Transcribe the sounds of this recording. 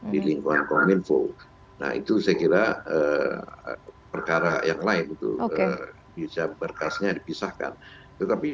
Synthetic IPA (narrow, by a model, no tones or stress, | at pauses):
diliŋkuŋankominfo̰ | na̰hḭt̪usajakiɾaə | pərkaɾajaŋlaɪnit̪ṵoə | bisabərkasɲadipisahka̰n | t̪ət̪api